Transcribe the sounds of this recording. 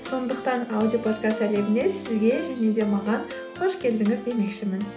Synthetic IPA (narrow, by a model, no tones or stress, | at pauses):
so̞nd̪əqt̪ɑnawd̪ijopʰo̞t̪kast̪æle̞bɪne̞sɪzɡʲe̞ʒæne̞d̪e̞mɑʁɑn | qʰo̞ʃkʲʰe̞ld̪ɪŋɪze̞me̞kʃɪmɪn